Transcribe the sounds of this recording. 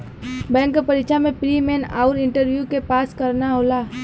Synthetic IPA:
bɛ̃ːŋkopəɾɪt͡ʃamẽpɾimeːna̰ʊɾɪ̃ɳʈəɾʋjukepaːskɐɾnaɦoːlaː

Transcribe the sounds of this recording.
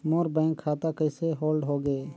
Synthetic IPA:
moːɾbɛ̃ːŋkʰːaːt̪akəɪseɦoːlɖɦoːɡeː

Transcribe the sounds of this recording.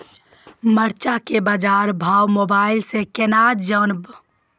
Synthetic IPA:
məɾt͡ʃakebad͡ʒaɾbʱaːwmoːbaːɪlsekenad͡ʒənb

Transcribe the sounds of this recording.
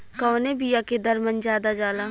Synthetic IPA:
kɔːnebijaked̪ɐɾmə̃nd͡ʒaːd̪ad͡ʒaːlaː

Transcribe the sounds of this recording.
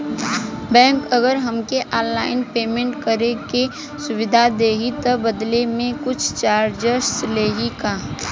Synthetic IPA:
bɛ̃ːŋkəɡəɾɦəmkeʔaːlːaːɪnpeːmẽɳʈkəɾeke | sʊʋɪd̪ʱad̪eːɡit̪ɐbəd̪lemẽkʊt͡ʃʰt͡ʃaːɾd͡ʒəsleːɦikaː

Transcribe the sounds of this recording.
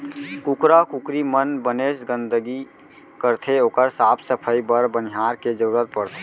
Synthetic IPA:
kukɾakukɾimənbəneːʃɡə̃nd̪əɡi | kəɾt̪ʰeoːkəɾsaːpʰsəpʰəibəɾbəniɦaːɾked͡ʒəɾuɾət̪̚pəɽt̪ʰe

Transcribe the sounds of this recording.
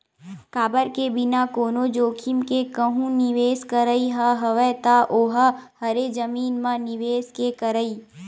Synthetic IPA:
kaːbəɾkebɪnakoːnod͡ʒoːkʰɪmkekəɦũnɪʋeːskəɾəiɦəɦɐʋət̪aʔoːɦəhɐɾed͡ʒəmiːnmãnɪʋeːskekəɾəiː

